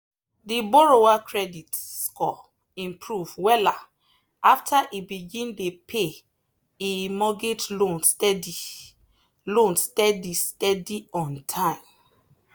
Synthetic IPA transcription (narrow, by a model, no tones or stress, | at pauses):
dibɔɹowakɹɛditskʰɔ | ĩmpʰɹuvwɛla | aftʰaʔibiɡĩndepʰe | emɔɡetlõnstɛdi | lõnstɛdistɛdiɔ̃ntʰãɪ̃m